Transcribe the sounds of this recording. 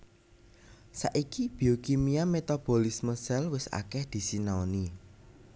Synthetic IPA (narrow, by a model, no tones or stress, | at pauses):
sa̰ʔikib̥i̤okimiamet̪ab̥o̤lisməsɛlwɪsa̰kɛhd̪̥i̤sinaoni